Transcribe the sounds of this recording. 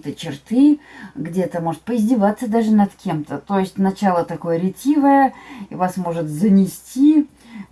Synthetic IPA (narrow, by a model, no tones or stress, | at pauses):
t̪ət͡ɕɪrt̪ɨɡdʲe̞t̪əmo̞ʐɨt̪̚pəɪzʲdʲɪvat̪sːəd̪aʐɨnɐt̪kʲʰe̞mt̪ət̪o̞jɪsʲtʲnɐt͡ɕalˠət̪ɐko̞jəɾʲɪtʲivəjəivasmo̞ʐɨt̪zənʲɪsʲtʲi